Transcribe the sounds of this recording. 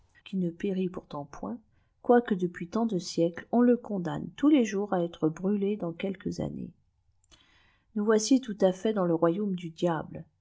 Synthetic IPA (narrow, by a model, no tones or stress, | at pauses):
kʲinəpeʁipuʁt̪ɑ̃pwɛ̰̃ | kwakəd̪əpɥit̪ɑ̃d̪əsjɛklɔ̃ləkɔ̃d̪a̰nt̪uleʒuʁaɛt̪χəbʁyled̪ɑ̃kʲɛlkəza̰nḛ | nuvwasit̪ut̪afɛd̪ɑ̃ləʁwajomd̪yd̪jabl